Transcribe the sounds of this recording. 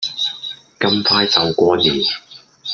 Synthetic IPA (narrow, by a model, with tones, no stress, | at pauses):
kɐ˥mpʰaː˥jt͡sɐ˨˧wkʷɔː˧niː˨˩